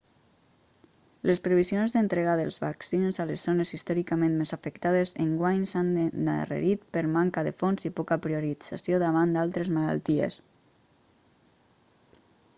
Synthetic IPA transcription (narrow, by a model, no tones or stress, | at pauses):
lespɾeβizjonzðent̪ɾeɣaðelˠzβaksinzalezːonezist̪ɔɾikamẽnmezafekt̪aðezeŋɡwaɲsana̰rḛɾit̪̚pəɾmaŋkaðefonzipɔkapɾioɾid͡za̰sjoðaβ̞and̪alˠt̪ɾezmala̰lˠt̪iḛs